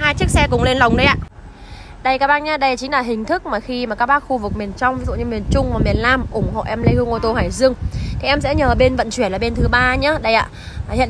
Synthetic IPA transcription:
haː˧jt͡ɕɨ˦˥ək̚sɛ˧kʊ˨˩ŋ͡mle˧nlə˨˩wŋ͡mɗə˧jʔa̰ː˧˨ | ɗə˧jkaː˨˥ɓaː˧nɲaː˨˦ɗə˧jt͡ɕi˨˦ŋ̟laː˨˩ɦï˨˩ŋ̟t̪ʰɨ˦˥k̚maː˨˩xi˧ma˨˩kaː˦˥k̚ɓaː˦˥k̚xu˧vɨ˨˩k̚mi˨˩ənt͡ɕɔ˧wŋ͡mvi˨˦zṵ˧˨ɲɨ˧mi˨˩ənt͡ɕʊ˧ŋ͡mmaː˨˩mi˨˩ənlaː˧mʔʊ˧˩ŋ͡mho̰˧˨ʔɛ˧mlə˧jhɨ˧əŋʔo˧t̪o˧haː˧˩jzɨ˧əŋt̪ʰi˨˩ʔɛ˧msɛ̰˧˥ɲəː˨˩ɓe˧nvə̰˧˨nt͡ɕwi˧˩nlaː˨˩ɓe˧nt̪ʰɨ˨˦ɓaː˧ɲa˨˦ɗə˧jʔa̰ː˧˨hḭ˧˨

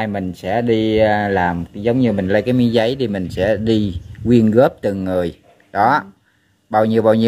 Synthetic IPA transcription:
jmï˨˩ŋ̟sɛ̰˧˥ɗi˧laː˨˩mzə˨˦wŋ͡mɲɨ˧mï˨˩ŋ̟lə˧jkaː˨˦mi˨˦zə˨˦jt̪ʰi˨˩mï˨˩ŋ̟sɛ̰˧˥ɗi˧kwi˧ənɣə˦˥p̚t̪ɨ˨˩ŋːɨ˨˩əj | ɗɔ˨˦ | ɓaː˧wɲi˧əwɓaː˧wɲi˧

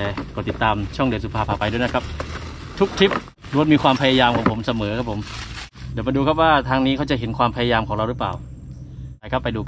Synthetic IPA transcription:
ɛː˨˩kɔː˨˩t̪ːi˨˩t̪ːaː˧mt͡ɕʰu˥˩ŋdɯ˧su˨˩pʰaː˧pʰaː˨˩pa˧jdu˥˩˨jna˦˥kʰa˦˥p̚ | t̪ʰu˦˥k̚t̪ʰi˦˥p̚ | duː˧a˥t̪̚miː˧kʰwaː˧mpʰa˧jaː˧jaː˧mkʰɔː˩˦ŋpʰo˩˦msa˧mɤː˩˦kʰa˦˥pʰːo˩˦m | diː˨˦ma˧duː˧kʰa˦˥p̚waː˥˩t̪ʰaː˧ŋniː˦˥kʰa˥wt͡ɕa˨˩ɦe˩˦nkʰwaː˧mpʰa˧jaː˧jaː˧mkʰɔː˩˦ŋɾa˧wɾɯ˦˥pla̰ː˨˩w | a˧jkʰa˦˥pːa˧jduː˧

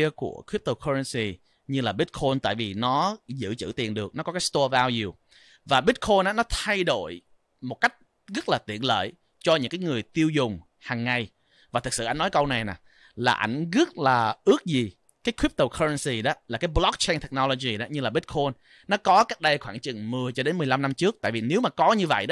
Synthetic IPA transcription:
əkṵ˧˩əkʰwi˦˥p̚t̪ə˧˩kʰɔː˧ɹə˧nsi˧ | ɲɨ˧laː˨˩ɓi˦˥t̚kʰo˧nt̪a̰ː˧˨jvi˨˩nɔ˨˦zɨ̰˧˨t͡ɕɨ̰˧˩t̪i˨˩ənɗɨ˨˩ək̚nɔ˨˦kɔ˨˦kaː˦˥jst̪o˧vaː˧wju˨˩ | vaː˨˩ɓi˦˥t̚kʰo˧nʔaː˨˦nɔ˨˦t̪ʰa˧jɗo˧˨j | mo˨˩t̚ka˦˥jk̟̚ | ɣə˦˥t̚laː˨˩t̪ḭ˧˨ənlə̰ː˧˨j | t͡ɕɔ˧ɲɨ̰˧˥ŋkaː˨˦jŋɨ˨˩əjt̪i˧əwzʊ˨˩ŋ͡m | haː˨˩ŋːa˨˩j | vaː˨˩t̪ʰɨ˨˩k̚sɨ̰˧˨ʔa˧˨ŋnɔ˨˦jkə˧wna˨˩jnaː˨˩ | laː˨˩ʔa̰˧˩jŋ̟ɣə˦˥t̚laː˨˩ʔɨ˦˥ək̚zi˨˩ | kaː˨˦jkʰwi˦˥p̚t̪o˨˩kʰə˧ə˧nsi˧˩ɗɔ˨˦laː˨˩kaː˨˦jblɔ˦˥k̚t͡ɕe˧jŋt̪ʰɛ˨˩k̚nɔ˧lo˧zi˨˩ɗɔ˨˦ɲɨ˧laː˨˩ɓi˦˥t̚kʰo˧nː | ɔ˨˦kɔ˨˦ka˦˥k̚ɗə˧jxwaː˧˩ŋt͡ɕɨ˨˩ŋmɨ˨˩əjt͡ɕɔ˧ɗe˨˦nmɨ˨˩jla˧mna˧mt͡ɕɨ˦˥ək̚t̪a̰ː˧˨jvi˨˩ne˨˦wmaː˨˩kɔ˨˦ɲɨ˧və̰˧˨jɗɔ˨˦

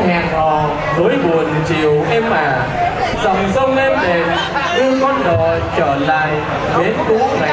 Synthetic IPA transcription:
ɲaː˨˩nhɔ˨˩ | vəː˨˦jɓu˨˩ənt͡ɕi˨əwʔɛ˧mːaː˨˩ | za˨˩wŋ͡mzə˧wlɛ˧nɗe˨˩n | ɗɨ˧kɔ˦˥nɗɔ˨˩ | t͡ɕəː˧˩la̰ː˧˨j | ɓe˨˦nko˨˦na˨˩˨

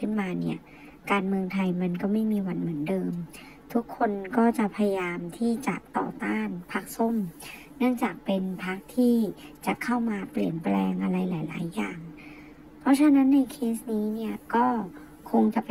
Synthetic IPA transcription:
ɯ˥˩nmaː˧ni˥˩ɐ | kaː˧nmɯ˧əŋt̪ʰa˧jma˧nkɔː˥˩ma˥˩jmiː˧wa˧nmɯ˩˦əndɤː˧m | t̪ʰu˦˥kʰːo˧nkɔː˥˩t͡ɕa˨˩pʰa˧ja˧jaː˧mt̪ʰiː˥˩t͡ɕa̰˨˩t̪ɔ̰ː˨˩t̪aː˥˩npʰa˦˥k̚so˥˩m | nɯ˥˩əŋt͡ɕaː˨˩k̚pe˧npʰa˦˥k̚t̪ʰiː˥˩t͡ɕa˨˩kʰa˥˩wmaː˧pli˨˩ənplɛː˧ŋʔa˧ɾa˧jlaː˩˦jla̰ː˩˦jːaː˨˩ŋ | pʰɔ˦˥t͡ɕʰa˧na˦˥nːa˧jkʰeː˦˥sniː˦˥ni˥˩ɐkɔː˥˩ | kʰo˧ŋt͡ɕa˨˩

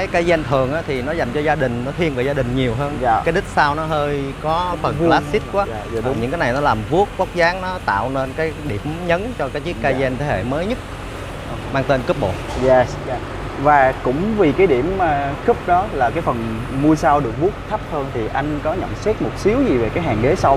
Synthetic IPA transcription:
kaː˨˦jkaː˧zɛ˧nt̪ʰɨ˨˩əŋʔaː˨˦t̪ʰi˨˩nɔ˨˦za˨˩jŋ̟t͡ɕɔ˧zaː˧ɗï˨˩ŋ̟nɔ˨˦t̪ʰi˧ənve˨˩zaː˧ɗï˨˩ŋ̟ɲi˨˩əwɦəː˧nkːaː˨˦jɗï˦˥t̚saː˧wnɔ˨˦ɦəː˧jkɔ˨˦fə˨˩nlaː˦˥si˦˥t̚kwaː˨˦˧ɲɨ̰˧˥ŋkaː˨˦jna˨˩jnɔ˨˦laː˨˩mvu˦˥ək̚ka˦˥k͡p̚zaː˨˦ŋnɔ˨˦t̪a̰ː˧˨wne˧nkaː˨˦jɗi˧˩əmɲə˨˦nt͡ɕɔ˧kaː˨˦jt͡ɕi˦˥əkːaː˧zɛ˧nt̪ʰe˨˦hḛ˧˨məː˨˦jɲɨ˦˥t̚ | maː˧ŋt̪e˧nkɨ˦˥p̚ɓo̰˧˨jɛ˧sa˧˩ | vaː˨˩kʊ̰˧˥ŋ͡mvi˨˩kaː˨˦jɗi˧˩əma˨˩kɨ˦˥p̚ɗɔ˨˦laː˨˩kaː˨˦jfə˨˩n | mu˧əsaː˧wɗɨ˨˩ək̚vu˦˥ək̚t̪ʰə˦˥p̚həː˧nt̪ʰi˨˩ʔa˧jŋ̟kɔ˨˦ɲə̰˧˨nsɛ˦˥t̚mo˨˩t̚si˨˦əwzi˨˩ve˨˩kaː˨˦jɦaː˨˩ŋɡe˨˦sa˧w

